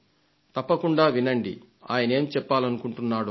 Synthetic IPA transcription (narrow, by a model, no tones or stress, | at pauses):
t̪ɐpːɐkuɳɖaːʋinɐɳɖḭ | a̰ːjɐnɐe̞ːmt͡ʃɛpːaːlɐnukuɳʈunːaːɽu